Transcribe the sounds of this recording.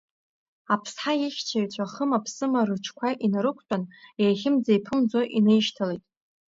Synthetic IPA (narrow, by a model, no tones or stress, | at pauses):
apʰsħaiχʲt͡ʃʰart͡ɕʷʰʼaχəmapʰsɨmaɾɨt͡ʃʰkʷʰaʔinaɾɨkʷʰt͡pʼanejχʲɪmd͡zaipʰɨmd͡zoʔinɨjʃtʰalejtʼ